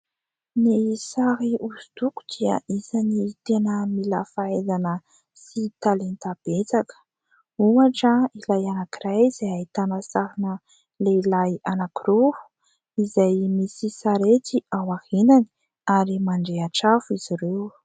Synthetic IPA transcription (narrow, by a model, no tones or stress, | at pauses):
nisaɾiuzut̪uku̥d̪̥iə̰ʔisanit̪enəmilafaezanə | sit̪alent̪ab̥et͡sakə̥ | uŋaʈ͡ʂəilajanakirajz̥aait̪anəsaɾinə | leilajanakirovu̥ | izajmisisaɾet̪iawahinani̥ | aɾimaɳɖ͡ʐeaʈ͡ʂafiz̥iɾew